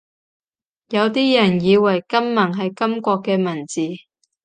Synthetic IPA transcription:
jɐ˨˧wt̪iː˥jɐ˨˩njiː˨˧wɐ˨˩jkɐ˥mːɐ˨˩ŋɦɐ˨jkɐ˥mkʷɔː˧kːɛː˧mɐ˨˩nt͡siː˨

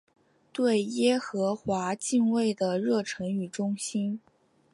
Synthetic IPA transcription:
t̪we˥˩ɪjɛ˥xɤ˧˥xwa˧˥t͡ɕi˥˧ŋwe˥˩ɪd̪ə˩ɻɤ˥˩ʈ͡ʂʰɤ˧˥ŋy˨˩ʈ͡ʂʊ˥ŋɕi˥n

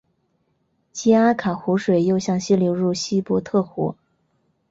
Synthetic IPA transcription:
t͡ɕi˥a˥kʰa˨˩xu˧˥ʂwe˨˩ɪjo˥˧ʊɕjɑ˥˩ŋɕi˥ljo˧˥ʊɻu˥˩ɕi˥pwɔ˧˥t̪ʰɤ˥˩xɔ̰˧˥

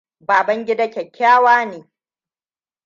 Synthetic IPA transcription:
baː˨bɐ˦ŋɡʲɪ˦da˦kʲɛ˨kʲːaː˦waː˦neː˨

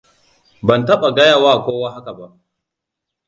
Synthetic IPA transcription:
bɐ˨ntɐ˦ɓa˨ɡɐ˦ja˦˨waː˦˨kʷoː˦waː˦ɦa˦ka˨ba˦ʔ

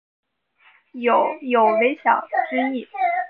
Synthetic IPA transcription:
jo˨˩ʊjo˨˩ʊwe˧˥ɪɕjɑ˨˩ʊt͡ɕy˥i˥˩

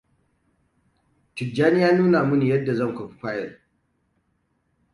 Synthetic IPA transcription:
tɪ˨d͡ʒaː˦nɪ˦jaː˦nuː˦na˨mʊ˦ni˨jɐ˦dːa˨zɐ˦˨ŋkʷɐ˨ɸi̥˦kʷaː˦jɛ˨l

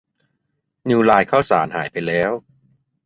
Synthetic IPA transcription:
nuː˧laː˧jkʰaː˥˩wsaː˩˦nɦaː˩˦jpa˧jlɛː˦˥w

